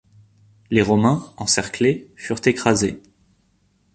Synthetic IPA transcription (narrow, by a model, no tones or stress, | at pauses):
leʁɔmɛ̃ɑ̃sɛʁklefyʁt̪ekχaze